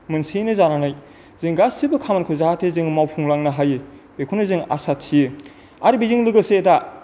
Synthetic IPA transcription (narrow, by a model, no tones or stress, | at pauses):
mɯnsinɯzananaj | zɯŋɡasibɯkʰamankʰɯzaatʰezɯŋmawpʰuŋlaŋnɐɦajɯbekʰunɯzɯŋa̰satʰːijɯ | aɾɯbiziŋlɯɡɯseda